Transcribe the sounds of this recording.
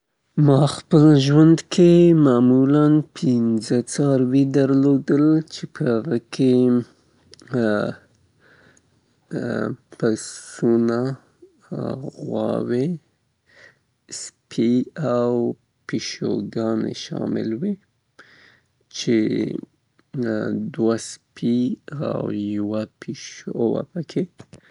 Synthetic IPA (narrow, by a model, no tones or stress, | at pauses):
mɑxpəlʒwand̪kʰemɑmulanpʰɪnzət͡sɑɾwid̪əɾlod̪əlt͡ʃepəhaɣəkʰe | pasuna | ɣwɑ̰we | spʰiaw | piʃo̰ɡɑnḛʃɑ̰mɪlwi | t͡ʃe | d̪waspʰia̰wjawapʰiʃowa̰pəkʰe